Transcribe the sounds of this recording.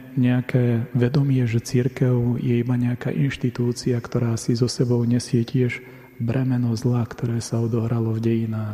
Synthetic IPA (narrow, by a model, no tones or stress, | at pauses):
ɲɛakɛːʋɛd̪ɔmɪɛʒɛt͡siɾkɛʊjɛibaɲɛaka̰ːʔinʃt̪it̪uːt͡siakt̪ɔɾaːsizɔsɛbɔʊɲɛsɪɛcɪɛʒ | bɾɛmɛnɔzlakt̪ɔɾɛːsaɔd̪ɔɦɾalɔvɟɛjinaːx